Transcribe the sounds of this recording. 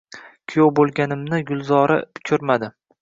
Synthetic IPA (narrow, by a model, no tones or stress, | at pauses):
kʲʰijowbolˠɡʲanɪmnɪɡʊlˠzɒɾa̰bʊ̥kʲʰʊɾmad̪ɪ